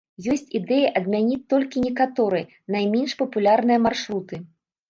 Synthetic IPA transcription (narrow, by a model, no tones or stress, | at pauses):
jɔsʲt͡sʲid̪ɛjiʔɐd̪mʲanʲit͡sʲt̪ːɔlʲkʲinʲɛkat̪ɔɾɨj | najmʲɛnʂpɐpulʲarnɨjɐmarʂɾut̪ɨ